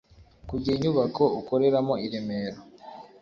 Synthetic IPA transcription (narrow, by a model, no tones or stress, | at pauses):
kuɟiiɲuβakʰo̞uko̞ɾe̞ɾamo̞iɾemeːɾo